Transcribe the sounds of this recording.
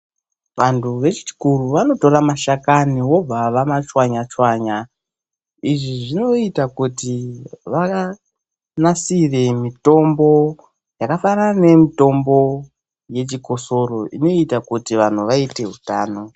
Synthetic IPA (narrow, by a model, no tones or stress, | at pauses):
ʋantʰuʋe̞t͡ʃi̥t͡ʃi̥kuruʋano̞to̞ramaʃakaniwo̞b͡vaʋamat͡ʃwaɲat͡ʃwaɲa | iʐiʐino̞itakutiʋaa | nasire̞mito̞mbo̞ | jakafaɾane̞mito̞mbo̞ | je̞t͡ʃiko̞so̞ro̞ʔino̞itakutiʋan̤uʋaite̞ɦutaːno̞